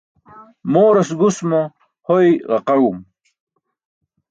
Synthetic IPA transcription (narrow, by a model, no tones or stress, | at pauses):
moːɾɐsɡusmo | hojʁɐqaɻum